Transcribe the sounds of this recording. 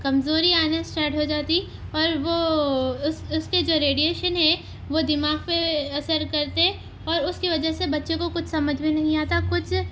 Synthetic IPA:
kɐmzoːɾiaːnasʈaːɾʈɦod͡ʒaːt̪i | ɔːɾʋo | sʊsked͡ʒoːɾeːɖijeːʃənɦɛ̃ | ʋod̪ɪmaːɡpeɐsəɾkɐɾt̪eɛ | ɔːɾʊskiʋɐd͡ʒəɦsebɐtːʃẽkokʊt͡ʃʰsɐməd͡ʒʱbʱinɐɦĩaːt̪akʊt͡ʃʰ

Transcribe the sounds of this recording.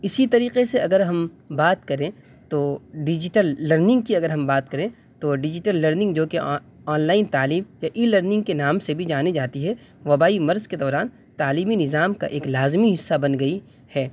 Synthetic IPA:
ɪsit̪ɐɾiːqeseɐɡəɾɦɐm | baːt̪kɐɾẽ | t̪oːɖɪd͡ʒɪʈəlːɐɾnɪ̃ŋɡkiɐɡəɾɦɐ̃mbaːt̪̚kɐɾẽ | t̪oɖɪd͡ʒɪʈəlːɐɾnɪ̃ŋɡd͡ʒoːke | ɔːnlaːɪnt̪aːliːmjaʔiːlɐɾnɪ̃ŋɡ̚kenaːmsebʱid͡ʒaːned͡ʒaːt̪iɦɛ | ʋɐbaːimɐɾzked̪ɔːɾaːn | t̪aːliːminɪzaːmka̰ʔeːklaːzmiɦɪsːabɐnɡɐi | hɛː

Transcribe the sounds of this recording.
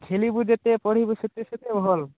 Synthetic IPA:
ɡʱʰelibud͡ʒet̪epɔɽ̤ibuset̪eset̪ebʱɔl

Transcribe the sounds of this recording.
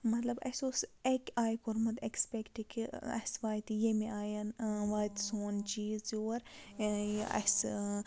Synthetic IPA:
mɐt̪lɐbɐ̰soːsekʲaːjkoɾmɐt̪ekspekʈikiɐ̰sʋaːjt̪ijemiaːjɐnʋaːjt̪soːnt͡ʃiːzoːɾ | ɐ̰s

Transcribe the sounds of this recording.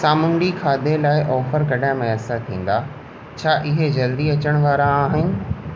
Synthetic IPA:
saːmʊɳɖikʰaːd̪elaːɪʔɔːfəɾkɐɗaɦɪ̃mɐjaːsat̪ʰĩːn̆d̪aː | t͡ɕʰaːʔɪɦed͡ʑɐld̪iɐt͡ɕəɽ̃ʋaːɾaːɦɪnɪ̆

